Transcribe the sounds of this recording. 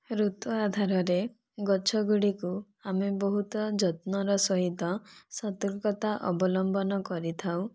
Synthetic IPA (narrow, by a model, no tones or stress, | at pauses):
ɾut̪ɔad̪ʱaɾɔɾe | ɡɔt͡ʃʰɔɡuɽiku | amebɔɦut̪ɔd͡ʒɔt̪nɔɾɔsɔɦit̪ɔsɔt̪ɔlkɔt̪aʔɔbɔlɔmbɔnɔkɔɾit̪ʰaw